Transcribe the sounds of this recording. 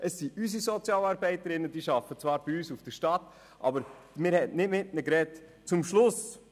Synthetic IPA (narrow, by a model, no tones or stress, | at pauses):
ʔəsːiʔysisɔt͡sjɑːlɑːɾbɛɪtəɾɪnːəd̥iʃɑfət͡svɑːɾb̥ɪyːsufd̥əɾʃtɑtː | ʔɑ̰bəɾ | mɪːɾhɛtnɪdmɪtnəkɾɛt | t͡sʊmʃlʊs